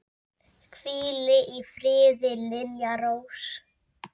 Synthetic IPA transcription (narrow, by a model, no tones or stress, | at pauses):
kʰviːlɪʔifɾɪːðɪlɪljaɾows